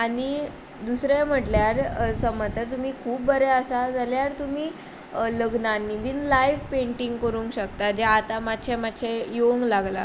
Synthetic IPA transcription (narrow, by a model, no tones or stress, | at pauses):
aɽ̃i | d̪usɾem̤əʈljaɾsəmət̪əɾt̪um̤iːkʰuːp̚bəɾɛəsad͡zaljaɾt̪um̤iː | ləɡnanːibinlajʋpeɳʈiŋɡkəɾũːŋkɕəkt̪ad͡ʑaːt̪amat̪ːɕʰemat̪ːɕejoŋɡlaɡla̰